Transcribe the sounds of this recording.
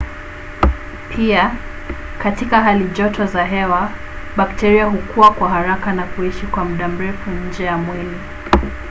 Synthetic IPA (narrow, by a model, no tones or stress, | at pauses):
pʰia | katikaɦaliʄɔtʰɔzaɦɛwa | ɓaktɛɾiaɦukuwakwaɦaɾakanakuiʃikwamuɗam̩ɾɛfuɲ̩d͡ʒɛjamwili